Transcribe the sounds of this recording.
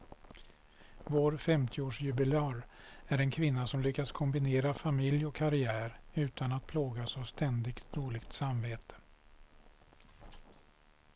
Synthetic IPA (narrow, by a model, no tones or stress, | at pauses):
voːɾfɛmt̪ʰɪoːʂjɵbɪlɪɑːɾ | æɾɛnkʰvɪnːasɔmlʏkːad̪skʰɔmbɪneːɾafamɪljɔkʰːaɾɪæːɾʉ̟ːt̪ʰanat̪̚pʰloːɡasavst̪ɛnd̪ɪɡt̪d̪oːɭɪɡt̪samveːt̪ʰə̥